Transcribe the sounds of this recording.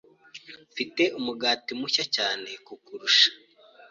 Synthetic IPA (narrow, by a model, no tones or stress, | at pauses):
fite̞ʔumuɡaːtimuçacaːne̞kukuɾuʃḁ